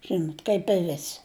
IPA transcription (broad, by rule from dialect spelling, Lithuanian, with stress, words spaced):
ˈʒʲɪnoːtʲ kɐɪp ɪ ˈʋʲæːsʲɪ